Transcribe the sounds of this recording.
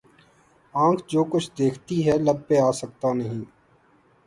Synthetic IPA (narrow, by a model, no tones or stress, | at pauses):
ãːkʰd͡ʒoːkʊt͡ʃʰd̪eːkʰt̪iɦɛləbːeaːsək̚t̪anɐɦĩː